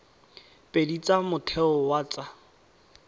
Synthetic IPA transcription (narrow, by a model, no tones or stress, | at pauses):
pʼedit͡sʼamʊtʰɛʊwat͡sʼa